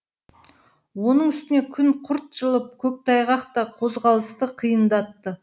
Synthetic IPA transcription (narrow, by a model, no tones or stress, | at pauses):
wo̞nəɴʏst̪ɪne̞kʲʰʏnqʰʊɾt̪̚ʒ̥əlˠəp̚kʲʰɵk̚t̪ʰɑjʁɑqt̪ɑqʰo̞zʁɑlˠəst̪əqʰijənd̪ɑt̪ːə